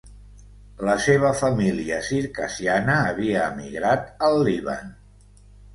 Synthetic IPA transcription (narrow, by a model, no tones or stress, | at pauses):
ləseβ̞əfəmiliəsiɾkəsianəːβiəːmḭɣɾat̪əlˠːiβə̰n